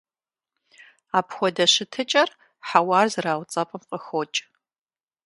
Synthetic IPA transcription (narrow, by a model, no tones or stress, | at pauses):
aːpʰxʷɔdɐʃɪtʰɨt͡ʃʼɐr | ħawaːzraːwt͡sʼɐpʼɐmqʼəxoːt͡ʃʼ